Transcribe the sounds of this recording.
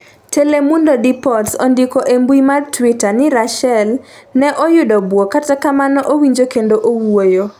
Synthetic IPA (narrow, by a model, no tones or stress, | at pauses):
telemundodipɔtsondɪkoʔembwimartwɪtanɪɾaʃɛlnɛʔɔjʊdɔbwokatakamanɔʔowiɲd͡ʒokendoʔowojo